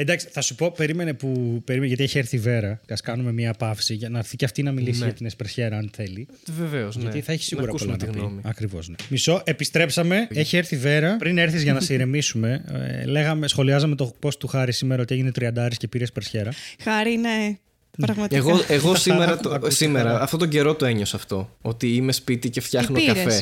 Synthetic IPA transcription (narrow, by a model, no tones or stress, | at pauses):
end̪ɐksi̥θɐsupo̞pe̞ɾime̞ne̞pupe̞ɾimeʝɐt̪ieçieɾθive̞ɾɐceɐskɐnume̞mɲiɐpɐfsiʝɐnɐɾθiceɐft̪inɐmilisiʝɐt̪inespeɾsçe̞ɾɐɐnθe̞li | veveozʝɐt̪iθɐeçisiɣuɾɐpolɐnɐpomiɐkɾivo̞̰znemiso̞ʔe̞pist̪ɾe̞psɐme̞eçieɾθive̞ɾɐpɾineɾθizʝɐnɐsiɾemisume̞̰le̞ɣɐme̞sxo̞liɐzɐmet̪opo̞st̪uxɐɾisimeɾɐo̞t̪ieʝine̞t̪ɾiɐnd̪ɐɐɾiscepiɾespeɾsçe̞ɾɐxɐɾine | npɾɐɣmɐt̪ɣeɣosimeɾɐt̪simeɾɐːft̪o̞t̪oɟe̞ɾo̞t̪oe̞ɲo̞sɐft̪o̞ot̪iimespit̪iceft̪çɐxnoiɐɾe